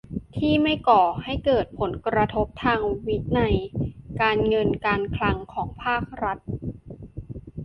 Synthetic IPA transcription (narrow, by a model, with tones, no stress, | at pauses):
t̪ʰiː˥˩ma˥˩jkɔː˨˩ha˥˩jkɤː˨˩t̪̚pʰo˩˦nkɾa˧t̪ʰo˦˥p̚t̪ʰaː˧ŋwi˦˥t̪̚na˧jkaː˧nŋɤ˧nkaː˧nkʰla˧˥ŋkʰɔː˩˦ŋpʰaː˥˩k̚ɾa˦˥t̪̚